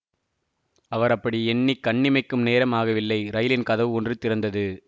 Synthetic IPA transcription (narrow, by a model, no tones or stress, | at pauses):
ɐʋɐɾɐpːɐɽiɛɳːikːɐɳːɪmɐɪkːɯmneːɾɐmaːɣɐʋɪlːɐɪɾɐjɪlɪnkɐðɐʋɔndrɯt̪ːɪɾɐnd̪ɐðɯ